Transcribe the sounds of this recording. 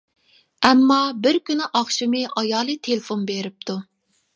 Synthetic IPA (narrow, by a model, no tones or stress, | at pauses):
ɛmːɑbɪɾkʲynɪʔɑχʃimɪʔɑjɑːlˠɨt̪ʰelɪfonbeɾɪp̚t̪ʰu